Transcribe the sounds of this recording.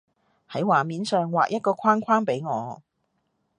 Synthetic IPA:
hɐ˨˥jwaː˨miː˨˥nsœː˨ŋwa̰ː˨k̚jʔɐ˥t̚kɔː˧kʰaː˥nkʰwaː˥npe˨˥jŋɔ̰ː˨˧

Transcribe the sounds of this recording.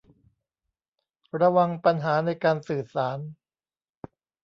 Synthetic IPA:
ɾa˧wa˧ŋpa˧nɦaː˩˦na˧jkaː˧nsɯː˨˩saː˩˦n

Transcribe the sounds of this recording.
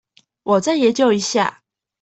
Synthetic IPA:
wɔ˨˩t͡sa˥˩ɪjɛ˧˦t͡ɕjo˥˨ʊi˧˦ɕja̰˥˨

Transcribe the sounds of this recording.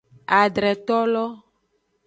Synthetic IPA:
a˨ɖɾɛ˨t̪ɔ˦lɔ˦

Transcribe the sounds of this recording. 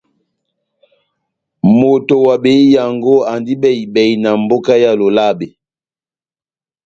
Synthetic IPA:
mo˨to˨wa˨be˨i˦ja˨ŋɡo˦a˨ndi˦bɛ˨i˨bɛ˨i˨na˨mbo˦ka˦ja˦lo˨la˦be˨

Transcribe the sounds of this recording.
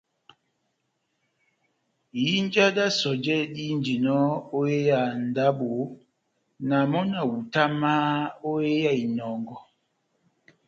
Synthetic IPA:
ji˦n˦d͡ʒa˦da˦sɔ˨d͡ʒɛ˦ɗi˦n˦d͡ʒi˨nɔ˦o˦e˦ja˨n̩˨da˦bo˨˦ | na˨mɔ˦na˨wu˨ta˦ma˦o˦e˦ja˦˨i˨nɔ˨ŋɡɔ˨

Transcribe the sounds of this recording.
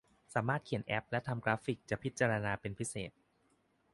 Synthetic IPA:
saː˩˦maː˥˩t̪̚kʰi˩˦ənʔɛ˦˥p̚lɛ˦˥t̪ʰa˧mkɾaː˦˥fi˨˩k̚t͡ɕa˨˩pʰi˦˥t̪̚t͡ɕaː˧ɾa˧naː˧pe˧npʰi˦˥sḛː˨˩t̪̚

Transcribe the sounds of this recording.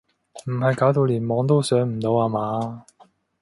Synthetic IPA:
m̩˨˩ɦɐ˨˧jkaː˨˥wt̪o˧wliː˨˩nmɔː˨˥ŋt̪̬o˥wsœː˨˥ŋm̩˨˩t̪o˨˧waː˧maː˨˥

